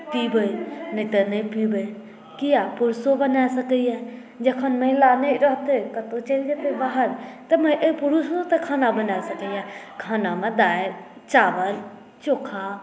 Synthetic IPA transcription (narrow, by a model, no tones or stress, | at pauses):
pibəjnət̪ənəipibəj | kijapuɾsobənaesəkəja | d͡ʒəkʰənmə̃laneɾəɦt̪ekət̪ot͡ʃəld͡ʒet̪ebaɦəɾt̪əməjʔəipuɾusot̪ekʰanabənaesəkəja | kʰanamed̪ae | t͡ʃabəl | t͡ʃokʰa